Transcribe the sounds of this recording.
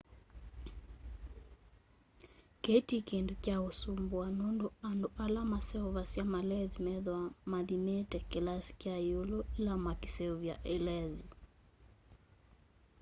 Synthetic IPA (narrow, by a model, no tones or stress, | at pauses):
kɛtikɛndukjaɔsumbwanɔndɔandɔʔalamasɛɔvasiamalɛzimɛðwamaðimɛtɛkɛlasi̥kiajulɔilamakisɛuvja̰ʔɛlɛzi